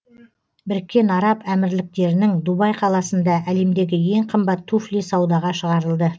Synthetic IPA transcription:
bɪɾkʲːe̞nɑɾɑpæmɪɾlɪk̚t̪e̞ɾɪnɪŋd̪ubɑjqʰɑlˠɑsənd̪ɑʔæle̞md̪e̞ɡʲɪje̞ɴqʰəmbɑt̪ʰːuflijsɑwd̪ɑʁɑʃəʁɑɾəlˠd̪ə

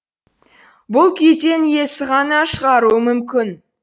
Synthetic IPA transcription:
bʊlˠkʲʰejt̪e̞nje̞sɪʁɑnɑʃəʁɑɾuəmʏmkʲɪn

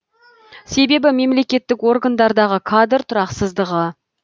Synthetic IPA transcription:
se̞be̞bɪme̞mle̞kʲe̞t̪ːɪkwo̞ɾɡand̪ɑɾd̪ɑʁəkʰad̪əɾt̪ʰʊɾɑqsəzd̪əʁə

